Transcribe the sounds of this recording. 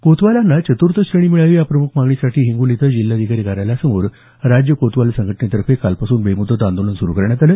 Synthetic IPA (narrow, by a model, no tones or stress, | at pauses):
kot̪ʋalanːat͡ɕət̪uɾt̪ʰəɕɾəɳ̃iːmiɭaʋiːjapɾəmukʰmaɡɳisaʈʰiːɦiŋɡulit̪əd͡ʑilːad̪ʱikaɾikaɾaljasəmoɾ | ɾad͡ʑjəkot̪ʋalesəŋɡʱəʈɳet̪əɾfekalpasuːnbemud̪ət̪and̪olənsuɾukəɾɳjat̪alə